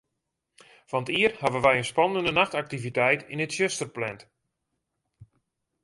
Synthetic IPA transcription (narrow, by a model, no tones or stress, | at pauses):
fantiərhaʋəʋɛjənspɔnəndənaxtak̚tivitɛjtɪnətʃøstərplɛnt